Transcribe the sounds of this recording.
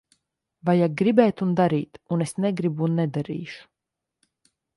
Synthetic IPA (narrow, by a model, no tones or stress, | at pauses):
vajaɡɾibɛːt̪und̪aɾiːt̪unesneɡɾibunːɛd̪aɾḭːʃu̥